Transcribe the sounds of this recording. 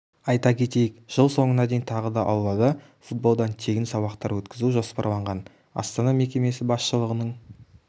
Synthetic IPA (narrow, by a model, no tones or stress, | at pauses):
ɑjt̪ɑkʲʰe̞t̪e̞jɪkʒ̥əlˠso̞ɴənɑd̪e̞jnt̪ʰɑʁəd̪ɑʔɑwˠlːˠɑd̪ɑ | fut̪̚bo̞lˠd̪ɑnt̪ʰe̞ɡʲɪnsɑβɑqt̪ɑɾwɵt̪kʲɪzuʒo̞spɑ̰ɾlˠɑɴʁɑn | ɑ̰st̪anɑme̞kʲe̞me̞sɪbɑsʃəlˠəʁənəɴ